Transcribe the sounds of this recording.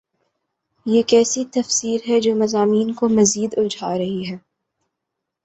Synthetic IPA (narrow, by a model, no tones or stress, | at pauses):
jeːkɛːsit̪ɐfsiːɾɦɛd͡ʒoːmɐzaːmiːnkomɐziːd̪ʊld͡ʒʱaːɾɐɦiɦɛː